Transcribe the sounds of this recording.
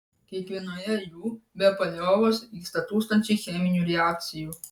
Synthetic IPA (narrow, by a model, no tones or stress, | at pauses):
kʲiɛkʋʲiɛnoːjɛjuːbʲɛpɐlʲoːʋoːsiːst̪ɐt̪uːst̪ɐnʲt͡ʃʲɛɪxʲɛmʲɪnʲuːɾʲɛæk̚t̪sʲɪjuː